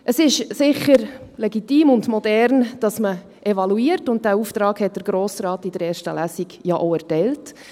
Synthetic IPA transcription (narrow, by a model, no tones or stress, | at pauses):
ʔəsɪʃsɪχəɾlɛɡitiːmʊndmɔdɛɾnd̥ɑsmə | ʔɛvɑluiːəɾtʊnt̚d̥æuːft̪ɾɑːkhɛt̚d̥əɾɡɾoːsɾɑːtɪdəɾɛːɾʃtəlæːsiɡjɑʔoɛɾtɛɪlt